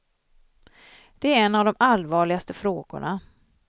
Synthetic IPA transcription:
d̪̥ɛæɾɛnːavd̪ɔmʔalvɑːɭɪɡast̪əfɾoːɡʊ̰ɳa

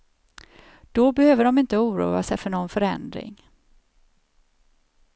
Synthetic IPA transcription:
d̪̥ɔbɛhøːvəɖɔmɪnt̪əuːɾṵːasɛjfœɳɔnfœɾɛ̰nd̪ɾɪ̰ŋ

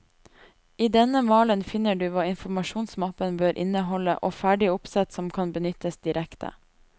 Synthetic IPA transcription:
iːd̪ɛnəmɑːlənfɪnːəɖʉːʋɑːɪnfɔmɑʃuːnsmɑpənbøːɾʔɪ̰nəɦɔlə̰ʔoːfæːɖɪʊpsɛt̪sɔmkʰɑnbənʏt̪əsd̪ɪɾɛkt̪ʰə̰

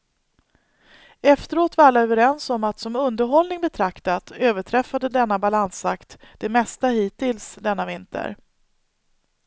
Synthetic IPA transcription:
ɛft̪əɾoːt̪vaalːaøːvəɾɛnsɔmat̪sɔmɵnd̪əɾɦɔlnɪŋbɛt̪ʰɾakt̪at̪øːvəʈʰɾɛfːad̪əd̪ɛnːabalansakt̪d̪̥ɛmɛst̪ahiːt̪ʰːɪlsd̪ɛnːavɪnt̪ʰə̰ɾ

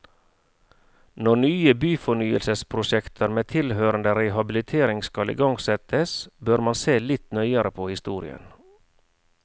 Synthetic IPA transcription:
nɔɳyːəbyːfɔɳyːə̰lsəspʰɾʊʃɛkt̪ʰəɾmeːt̪ʰɪlhøːɾənd̪əɾɛhɑbɪlɪt̪ʰeːɾɪŋskɑlḭːɡɑŋɡsɛt̪ʰəsbøɾmɑnseːlɪt̪nœʏəɾəpʰoːhɪst̪uːɾɪ̰ə̰n

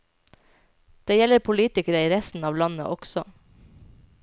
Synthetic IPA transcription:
d̪̥eːjɛləɾpʰʊliːt̪ɪkəɾəiːɾɛst̪n̩ɑːʋlɑnə̰ʔɔksɔ

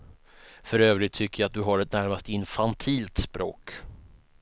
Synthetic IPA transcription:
fœɾøːvɾɪt̪ʰːʏkːəjaat̪̚d̪ɵɦaɾɛt̪̚næɾmast̪əɪnfant̪ʰiːlt̪spɾo̰ːk

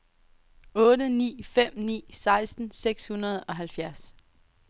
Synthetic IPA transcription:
ɔ̽ːdənḭːfem̰nḭːsɑ̈ɪsd̥n̩seɡ̥shunɐð̞̩ˠɒ̽ɦælfjæɐs

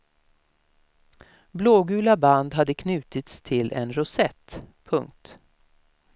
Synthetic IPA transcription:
bloːɡʉ̟ːlaband̪ɦad̪ːəkʰnʉ̟ːt̪ɪt̪st̪ʰɪlʔɛ̰nɾʊsɛt̪ːpʰɵŋk̚t̪

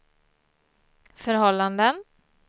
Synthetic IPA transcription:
fœɾɦɔlːand̪ən

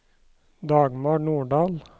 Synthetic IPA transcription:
d̪ɑːɡmoːnuːɖɑːl

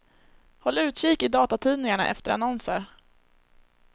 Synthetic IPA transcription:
hɔlːʉ̟ːt̪ɕiːkɪd̪ɑːt̪at̪ʰiːnɪŋaɳa̰ʔɛ̰ft̪əɾa̰nɔnsəɾ

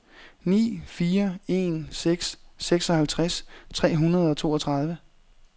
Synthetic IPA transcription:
nḭːfiːɐe̝nseɡ̥sːeɡ̥sɒ̽hælt͡sʰʁast͡sʰʁɛ̰ːɦunɐð̞̩ˠɒ̽t͡sʰo̝̰ːɒt͡sʰʁɑ̈ð̞ˠʋə

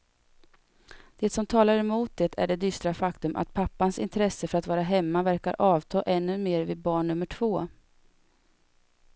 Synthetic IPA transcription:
d̪̥ɛt̪sɔmt̪ʰɑːlaɾɛmuːt̪̚d̪ɛt̪ʰæ̰ɖɛd̪ʏst̪ɾafakt̪ɵmʔa̰t̪pʰapːansɪ̰nt̪ʰɾɛsːəfœɾat̪vɑːɾaɦɛmːavæɾka̰ɾʔɑːvt̪ʰɑːʔɛnːɵmeːɾvɪd̪̚bɑːɳːɵmːəʈʰv̥oː

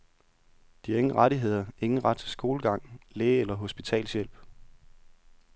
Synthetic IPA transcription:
d̥iæe̝ŋn̩ʁɑɾiɦe̝ð̞̰ˠɐe̝ŋn̩ʁɑ̈d̥̚t͡sʰesɡ̥o̝ːləɡ̥ɑ̈ŋ̰leːelɐɦo̝sb̥it͡sʰɛ̰ːlsjel̰b̥

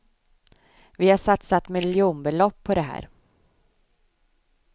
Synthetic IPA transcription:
vɪhaʂat̪sat̪mɪljuːnbɛlɔpʰːɔd̪ɛɦæ̰ːɾ

